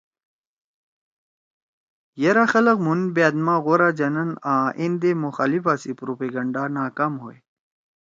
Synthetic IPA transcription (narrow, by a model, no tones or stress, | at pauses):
jɐɾaxɐlɐqmunbaːd̪maːɣoɾad͡ʑɐnɐnaːʔind̪emuxaːlifasipɾopeɡɐɳɖanaːkaːmɦoe